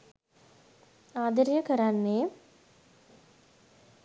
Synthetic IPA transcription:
aːd̪əɾijəkəɾanːeː

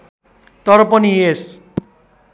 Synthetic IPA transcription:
t̪ʌɾʌpʌnies

